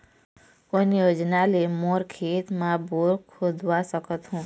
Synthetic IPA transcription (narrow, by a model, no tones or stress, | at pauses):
onjoːd͡ʒnalemoːɾkʰeːt̪mãbuɾkʰʊd̪ʱʋasəkət̪ɦũː